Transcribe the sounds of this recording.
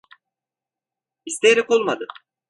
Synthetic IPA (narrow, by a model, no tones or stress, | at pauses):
ist̪ejɾɛko̞lˠmad̪ɯ